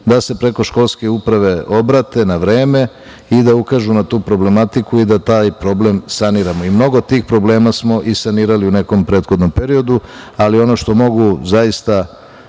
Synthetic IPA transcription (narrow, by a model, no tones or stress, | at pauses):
d̪ase̞pɾe̞ko̞ʃko̞lske̞upɾaʋe̞o̞bɾat̪e̞naʋɾe̞ːme̞ | id̪aukaʒunat̪uːpɾo̞ble̞mat̪ikuid̪at̪aːjpɾo̞ble̞msaniːɾamoimno̞ɡo̞t̪ːiːxpɾo̞ble̞ːmasmo̞ʔisaniːɾaliune̞ko̞mpɾe̞ːd̪xod̪no̞mpe̞ɾio̞d̪ualio̞no̞ʃt̪o̞mo̞ɡuzajist̪a